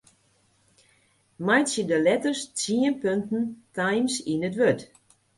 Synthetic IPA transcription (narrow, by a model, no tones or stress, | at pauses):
majtsjədəlɛtərstiənpøntn̩tajmsinətʋøt